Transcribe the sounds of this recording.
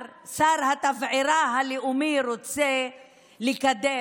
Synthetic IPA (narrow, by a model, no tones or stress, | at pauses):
saɾhat̪avʕiɾaɦaliumiɾot͡se | likad̪e